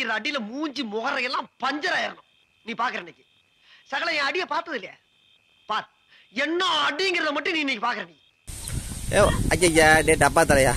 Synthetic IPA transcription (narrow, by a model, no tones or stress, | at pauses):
ɪɾɐɐɐɽɪlɐmuːɲd͡ʒimɔɣɐɾɐjɛlːãːpɐɲd͡ʒɐɾaːjɪɾɐnʊ̃ | niːpaːɾkɯɾɐɪnɪkːɯ | sɐɣɐɭɐjɛ̃ːɐɽɪjɐpaːɾt̪ɐðɪlːɐja̰ | paːɾ | ɛnːɐɐɽɪŋɡɪɾɐðɐmɐʈːɯ̃nĩːɪnikːɯpaːɾkɯɾɐnɪkːɯ̥ | eːɐt͡ʃːɐd͡ʒaɖeːʈɐp̬ːaːt̪ɐɾɐjaː